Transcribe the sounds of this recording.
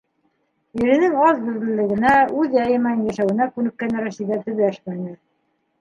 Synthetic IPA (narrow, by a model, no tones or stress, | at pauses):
iɾɘ̆nɘŋɑzd̪ɵ̆ðlɘ̆lːɘ̆ɡɘ̆næʉðjæjɘ̆mænjæʃæwɘ̆nækʉnɘ̆kːænɘɾæsiðæt̪ɵ̆βæʃmænɘ